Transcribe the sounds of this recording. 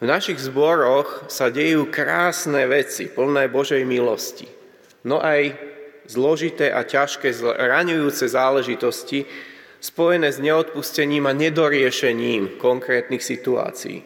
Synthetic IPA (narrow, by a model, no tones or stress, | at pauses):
vnaʃiɣzbɔɾɔxsaɟɛjuːkɾaːsnɛːʋɛt͡sḭpl̩nɛːbɔʒɛjmilɔ̰scḭ | nɔʔaj | zlɔʒit̪ɛːʔacaʃkɛːzɾaɲujuːt͡sɛzaːlɛʒit̪ɔsci | spɔjɛnɛːzɲɛɔt̪̚puscɛɲiːmaɲɛd̪ɔɾɪɛʃɛɲiːmkɔŋkɾɛːt̪nixsit̪ua̰ːt͡sḭḭ